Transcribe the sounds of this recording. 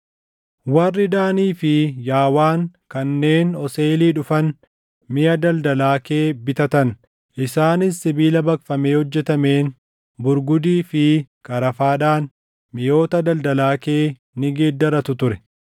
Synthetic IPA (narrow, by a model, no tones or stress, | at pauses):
wɐrːɪd̪aːniːfɪjaːwaːŋkɐnːe̞ːnɔse̞ːliːᶑʊfɐn | mɪjɐd̪ɐld̪ɐlaːke̞ːbɪt̪ɐt̪ɐn | ʔɪsaːnɪsːɪbiːlɐbɐkfɐmeːhɔd͡ʒːɛt̪ɐme̞ːn | bʊɾɡʊd̪iːfɪkʼɐɾɐfaːᶑaːn | mɪjo̞ːt̪ɐd̪ɐld̪ɐlaːkeː | nɪɡeːd̪ːɐɾɐt̪ʊt̪ʊɾɛ